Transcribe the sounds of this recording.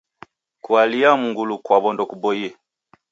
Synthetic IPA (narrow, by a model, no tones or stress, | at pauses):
kualiamuŋɡulukwabɔndɔkubɔiɛ